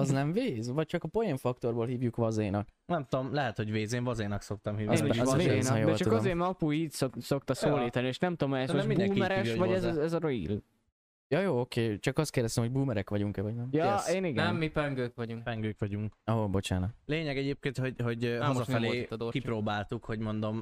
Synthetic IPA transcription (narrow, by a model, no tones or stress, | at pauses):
ɒznɛɱveːzvɒc̚t͡ʃɒkɒpo̞jiɱfɒk̚t̪o̞rboːlɦiːvjukʋɒzejnɒknɛmt̪o̞mlɛɦɛt̪ho̞ɟveːzeːɱvɒzejnɒkso̞k̚t̪ɒmɦiːveːnienjod̪ɛt͡ʃɒukɒzeːmɒpuiːtsoso̞kt̪ɒsoːliːt̪ɒnieːʃnɛmt̪omɛsmoib̪ɛmɛɾɛʃʋɒɟɛzzɛzɒɾoḭl | jɒjoːokeːt͡ʃɒkɒst̪keːrd̪ɛst̪ɛmɦoɟbuːmɛɾɛkʋɒɟuŋkɛvɒɟnɛmjɒeːniɡɛɛmːipɛŋɡøːkʋɒɟuŋkpɛŋɡøːkʋɒɟuŋkɒɦobo̞t͡ʃa̰ːnɒkleːɲɛɡɛɟeːp̚keːnt̪ho̞ɟho̞ɟɒzɒɛleːkipɾoːbaːlt̪ukho̞ɟmo̞nd̪o̞m